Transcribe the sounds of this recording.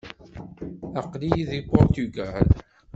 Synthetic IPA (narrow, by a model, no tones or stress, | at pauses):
æqlijiðipʊɾt̪uɡæl